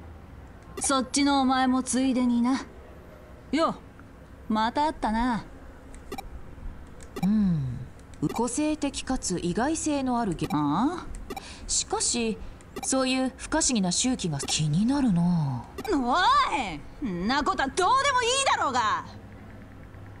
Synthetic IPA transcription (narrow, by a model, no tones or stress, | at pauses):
so̞tːinoːmae̞mo̞t͡sɨid̪e̞ɲ̟ina | jo | mat̪aːt̪ːana | ɯ̟̃ɴ | ɯ̟ko̞se̞ːt̪e̞kʲi̥kat͡sɨʔiɡaise̞ːno̞aɾɯ̟ɡʲia | ɕi̥kaɕi | so̞ːjɯ̟ːɸɯ̟̥kaɕiɡʲinaɕɨːkʲiɡakʲʰiɲ̟inaɾɯ̟no̞noa | nakot̪ad̪oːd̪e̞mo̞iːd̪aɾo̞ːɡa